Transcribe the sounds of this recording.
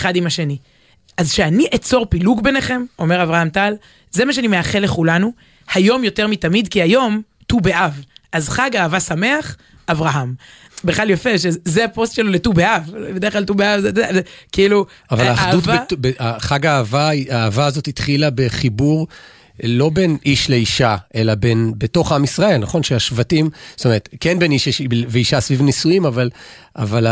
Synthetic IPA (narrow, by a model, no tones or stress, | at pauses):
eχadimhaʃe̞ni | ʔazʃeaniʔet͡so̞ʁpiluɡbe̞neχe̞mo̞me̞ʁavʁahamtal | zemaʃeanimeaχele̞χulanu | hajo̞mjo̞te̞ʁmitamid̪kiajo̞m | tubeʔavʔazχaɡaːvasame̞aχ | ʔavʁaɦam | beχlaljofe̞ʃezeapo̞st̪ʃeloletubeavbed̪eχklalt̪ubeavztzekiilu | avalaːdutebeʔaχaɡaːvaaːvaːzo̞t̪itχilabe̞χibuʁ | lo̞be̞nʔiʃle̞iʃaʔe̞labe̞nbeto̞χaamisʁae̞lnaχo̞nʃeaʃvatimstome̞ʁet̪kenbe̞niʃʃveiʃasvivnisuimavala̰vala